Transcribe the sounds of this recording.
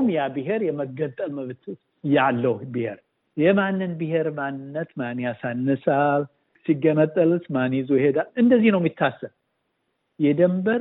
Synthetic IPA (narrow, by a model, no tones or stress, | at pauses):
mjabiɦeɾjɛməɡət̪ʼːəlməβt̪ʰ | jalːəhbihḛɾ | jɛmanːɨnbɨheɾmanːɨnːət̪manijasanːəsal | siɡːənət̪ʼːəlsmanizujhed̪alɨnd̪əzːihnəwmit̪ʰːasːəl | jɛd̪əmbəɾ